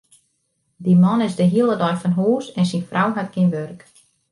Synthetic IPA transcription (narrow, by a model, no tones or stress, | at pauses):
dimɔnɪzdəɦiəlˠədɔjfɔnɦuːsɛnsinfrʔawɦatkinʋørk